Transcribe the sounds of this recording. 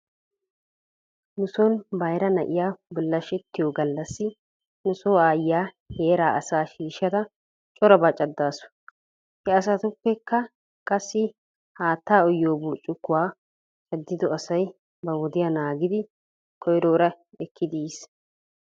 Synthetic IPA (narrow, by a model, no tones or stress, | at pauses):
nʊsɔnbɐjɾɐnɐʔɪjaːbɪlːɐʃɛt̪ːɪjoːɡɐlːɐsːɪ | nʊsoːaːjːaː | he̞ːɾaːʔɐsaːʃiːʃːɐt̪ɐ | t͡ʃʼɔɾɐbɐt͡ʃʼɐd̪ːaːsʊ̥ | hɛɐs̬ɐt̪ʊkːɛkːɐ | kʼɐsːɪ | haːt̪ːaːɔjːoːbuːt͡ʃʼːʊkːʊwaː | t͡ʃʼɐd̪ːɪd̪ɔɐsɐj | bɐwɔd̪ɪjaːnaːɡɪd̪ɪ | kʰɔjɾoːɾɐ | ɛkʰːɪd̪iːs